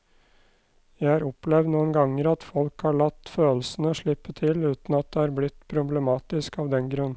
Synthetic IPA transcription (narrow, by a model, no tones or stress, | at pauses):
jæɪhɑːɾɔplɛʋd̪nuːənɡɑŋːəɾɑt̪fɔlkhɑːɭɑt̪ːføːlsənəɔʂɭɪpːət̪ʰɪlʉːt̪n̩ɑt̪̚d̪ɛhæːɾblɪt̪ːpʰɾʊblɛmɑːt̪ɪskɑːʋd̪ɛnɡɾʉnː